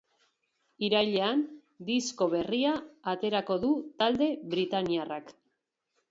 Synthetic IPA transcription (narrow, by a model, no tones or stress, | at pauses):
iɾajʎean | d̪isko̞βe̞riaːt̪e̞ɾako̞ðut̪ald̪e̞βɾit̪aniarak